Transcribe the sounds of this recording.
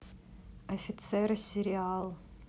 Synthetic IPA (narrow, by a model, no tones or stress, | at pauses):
ofʲit͡sʰersʲeɾial